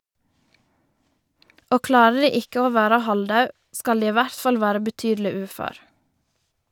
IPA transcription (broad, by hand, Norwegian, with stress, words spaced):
ˈoː ˈklɑːɾə ˈdiː ˈɪkə ˈoː ˈʋæːɾə ˈhɑlˌdɑʉ ˈskɑl ˈdiː ˈiː ˈʋæɾt ˈfɑl ˈʋæːɾə bəˈtyːdl̩ɪ ˈʉːføːɾ